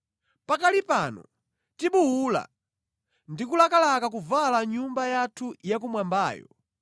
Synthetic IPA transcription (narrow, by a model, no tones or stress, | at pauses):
pakalipanɔ̰ | tiɓuwula̰ | ndikulakalakak̬uvalaɲumbajatʰujak̬umwambaːjɔ̰